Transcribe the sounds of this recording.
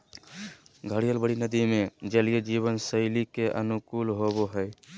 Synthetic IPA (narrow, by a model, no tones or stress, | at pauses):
ɡʱəɽijəlbəɽinəd̪imed͡ʒəlijəd͡ʒiβənsəɪlikeʔə̰nukulɦoboɦəj